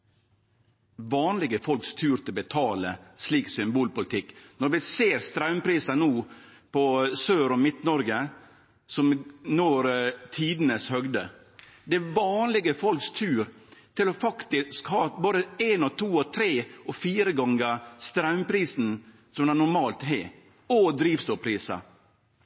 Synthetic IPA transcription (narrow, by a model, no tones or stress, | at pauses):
ʋɑːnlɪɡəfɔlkst̪ʰʉːɾt̪ʰɪlbət̪ʰɑːlə̰sliːksʏmbuːlpʊlɪt̪ʰɪkːnɔɾʋɪseːɾst̪ɾɑʉmpʰɾiːsɑnuːpɔsøːɾɔmɪt̪nɔɾɡə | sɔmnoːɾt̪ʰiːd̪nəshœɡd̪ə | d̪ɛʋɑːnlɪɡəfɔlkst̪ʰʉːɾt̪ʰɪlɔfɑkt̪ɪskhɑːboːɾəeːnɔt̪ʰuːɔt̪ʰɾeːɔfiːɾəɡɑŋɡəst̪ɾɑʉmpɾiːsn̩ | sɔmd̪ænʊɾmɑːlt̪ɦeː | ɔd̪ɾiːʋst̪uːpʰɾiːsɑ̰